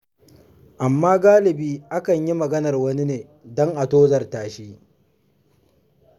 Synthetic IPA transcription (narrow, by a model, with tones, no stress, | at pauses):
ʔa˨mːaː˦ɡaː˦lɪ˨biː˦ʔa˦kɐ˨ɲji˦mɐ˨ɡɐ˦nɐ˨rwɐ˦ni˦neː˨ | dɔ˦ŋʔa˨toː˦zɐ˨rtaː˨ʃiː˦